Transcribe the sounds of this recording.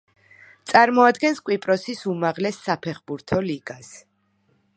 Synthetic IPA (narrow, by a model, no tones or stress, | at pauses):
t̪sʼaɾmɔad̪ɡɛnskʼwipʼɾɔsisumaʁlɛsːapʰɛχbuɾt̪ʰɔliɡas